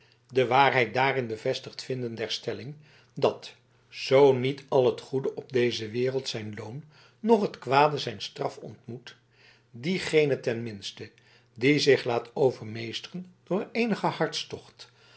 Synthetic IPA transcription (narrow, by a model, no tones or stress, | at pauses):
dəʋaːɹɦɛjt̚daːrɪnbəvɛstəχtfɪndəndɛɹstɛlɪŋ | dɑt | z̥ownitɑlˠɦətχudəʔɔb̚dejzəʋɪːrəlˠtsɛjnlownː | ɔχətkʋaːdəzɛjnstrɑfɔ̰ntmut | diχejnətɛnmɪnstə | dizɪχlaːtʰowvəɹmejstərənd̥ʊːɹejnəχəhɑɹtstɔχt